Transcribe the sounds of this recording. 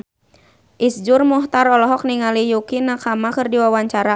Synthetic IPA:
ʔisd͡ʒurmɔht̪aɾɔlɔɦɔk̚niŋalijukinakamakɨrdiwawaɲt͡ʃaɾa

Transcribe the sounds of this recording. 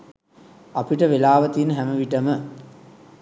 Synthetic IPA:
ɐpiʈəʋelaːʋɐt̪inɦæmɐʋiʈɐmə

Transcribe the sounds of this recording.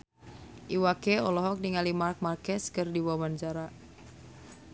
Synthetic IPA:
ʔiwakeɔlɔɦɔk̚niŋalimark̚markɛskɨrdiwawant͡ʃaɾa

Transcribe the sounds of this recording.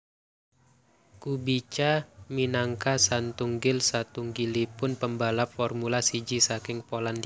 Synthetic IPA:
kubit͡ʃaminaŋkasant̪uŋɡɪlsat̪uŋɡilipʊnpəmbalapfɔrmulasid͡ʒisakɪŋpolandi

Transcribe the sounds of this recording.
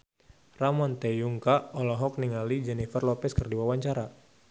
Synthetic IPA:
ramɔnt̪ɛjuŋkaɔlɔɦɔk̚niŋalid͡ʒɛnifərlɔpɛskɨrdiwawaɲt͡ʃaɾa

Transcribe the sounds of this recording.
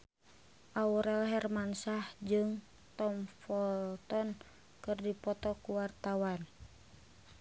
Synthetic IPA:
ʔauɾɛlɦɛrmansahd͡ʒɨŋ | t̪ɔmfɔlt̪ɔn | kɨrdipɔt̪ɔkuwart̪awan

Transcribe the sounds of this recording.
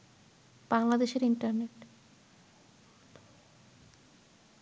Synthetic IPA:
b̥aŋlad̪eʃeɾiɳʈaɾneʈ

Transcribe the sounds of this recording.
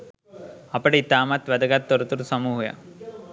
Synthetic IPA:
ɐpɐɽit̪aːmɐt̪ʋɐd̪ɐɡat̪ːɔɾut̪uɾusɐmuɦuja̰

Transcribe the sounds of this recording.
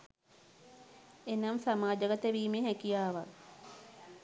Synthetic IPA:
enamsamaːd͡ʒəɡət̪əʋiːmeɦɛkijaːʋa

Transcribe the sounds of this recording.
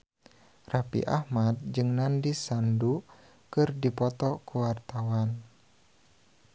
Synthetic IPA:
rapḭʔa̰hmad̪̚d͡ʒɨŋnandisandu | kɨrdipɔt̪ɔkuwart̪awan

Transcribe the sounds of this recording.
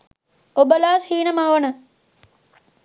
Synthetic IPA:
obəlaːshiːnəmaːʋɐnə

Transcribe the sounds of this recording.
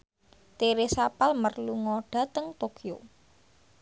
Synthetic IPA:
t̪eɾesapalmərluŋɔɖ̥a̤t̪əŋt̪okio

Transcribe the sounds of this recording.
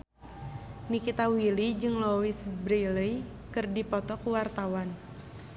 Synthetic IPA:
nikit̪awilid͡ʒɨŋlowisbɾiləj | kɨrdipɔt̪ɔkuwart̪awan

